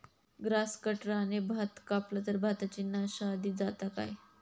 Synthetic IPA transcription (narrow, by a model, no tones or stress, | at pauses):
ɡɾaskəʈɾaːnebʱat̪kaplət̪əɾbʱat̪at͡ɕinːaɕaːd̪ʱiːd͡zat̪aka̰j